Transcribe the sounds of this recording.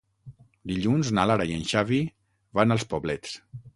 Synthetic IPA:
d̪iʎunznalaɾaiənʃaβi | βanəlˠspoβlɛt͡s

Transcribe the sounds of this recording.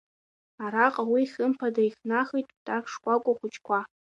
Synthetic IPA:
aɾaqʼawiχʲɨmpʰadaiχʲnaχitʼtʼapʰʂkʷʼakʷʼʊχʷʊt͡ʃʰʼkʷʰa

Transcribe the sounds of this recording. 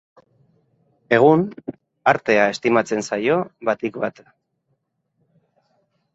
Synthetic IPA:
e̞ɣ̞un | aɾt̪e̞ae̞st̪imat͡se̞nsajo̞βat̪ikβat̪

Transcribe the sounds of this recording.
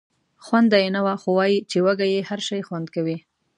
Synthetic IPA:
xwand̪ajenawaxowɑjit͡ʃewaɡajehaɾʃɑjxwand̪kawi

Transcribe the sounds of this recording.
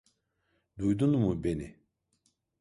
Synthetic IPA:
d̪ud̪unmubene

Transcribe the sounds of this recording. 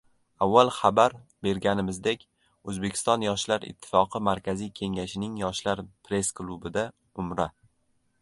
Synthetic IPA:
avːalˠχabaɾbe̞ɾɡʲanɪmɪzd̪e̞kʲ | ɵzbe̞kʲʰɪ̥st̪ɒnjɒʃlaɾɪ̰t̪ʰːɪ̥fɒqʰɨmaɾkʲazijkʲʰe̞ŋʲaʃɪnɪŋjɒʃlaɾpɾe̞sklˠubɪd̪a | ʊmɾa

